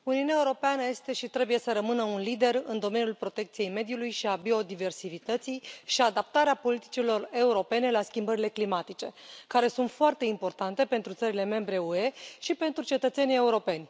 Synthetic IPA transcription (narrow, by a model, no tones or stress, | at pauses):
uniuneaeuɾo̞peanəje̞st̪e̞ʃit̪ɾe̞buje̞səɾəmɨnəunlid̪e̞rɨnd̪o̞menjulpɾo̞t̪e̞k̚t̪sije̞jme̞d̪julujʃiabio̞d̪ive̞rsivit̪ət̪sijʃiad̪ap̚t̪aɾeapo̞lit̪i̥t͡ʃilo̞re̞uɾo̞pe̞ne̞laskʲimbəɾile̞klimat̪it͡ʃe̞kaɾe̞sunt̪foart̪e̞impo̞rt̪ant̪e̞pe̞nt̪ɾut̪səɾile̞me̞mbɾe̞ue̞ʃipe̞nt̪ɾut͡ʃe̞t̪ət̪se̞nije̞uɾo̞pe̞nʲ